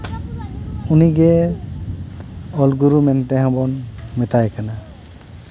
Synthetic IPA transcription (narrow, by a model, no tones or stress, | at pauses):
uniɡɛ | ɔlɡuɾumɛnt̪ɛɦãbɔnmɛt̪ajkʰana